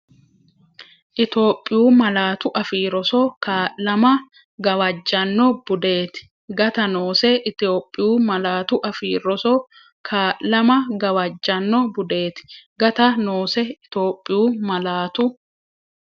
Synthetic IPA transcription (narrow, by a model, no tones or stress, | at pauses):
ʔɪt̪o̞ːpʼːɪjuːmɐlaːt̪ʊʔɐfiːɾɔsɔkʰaːʔlɐmɐ | ɡɐwɐd͡ʒːɐnːɔb̥ʊd̪eːt̪ɪ̥ | ɡɐt̪ɐnoːsɛɪt̪o̞ːpʼːɪjuːmɐlaːt̪ʊʔɐfiːɾɔsɔ | kʰaːʔlɐmɐɡɐwɐd͡ʒːɐnːɔbʊd̪eːt̪ɪ̥ɡɐt̪ɐnoːsɛɪt̪o̞ːpʼːɪjuːmɐlaːt̪ʊ